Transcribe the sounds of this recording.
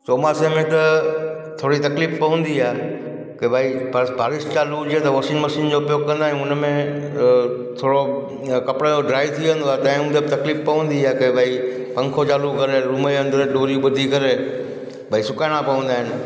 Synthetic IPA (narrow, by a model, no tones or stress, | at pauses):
t͡ʃoːmasemẽt̪ɐ | t̪ʰoːɽit̪ɐkliːfpɐʋə̃n̆d̪iaː | kɐbʱaːibʱbʱaːɾɪst͡ɕaːlud͡ʑiet̪ɐʋɐʃiːnmɐʃiːnd͡ʑopjoːɡ̚kːɐ̃nd̪aːɦɪ̃nʊnəmẽ | t̪ʰoːɽo | kɐpɽəd͡ʑoɖɾaːit̪ʰiʋə̃n̆d̪oaːet̪ɐ̃ɦɪ̃ʊ̃nt̪et̪ɐkliːfpɐʋə̃n̆d̪iaːkebʱaːi | pɐ̃ŋkʰot͡ɕaːlukɐɾeɾʊməeɐ̃nd̪əɾɗoːɾiɓʊd̪ʱikɐɾe | bʱaːisʊkaːɪɽ̃ãpɐʋə̃nd̪aːɦɪnɪ̆